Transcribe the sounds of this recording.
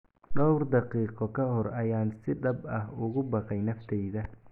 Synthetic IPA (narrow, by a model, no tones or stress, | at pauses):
ɖɔwrd̪ɑqiːqɔkʰɐɦɔɾɐjaːnsɪd̪ɐbɐhʊɣʊbɑqɑjnɐft̪ʰɛjðɐ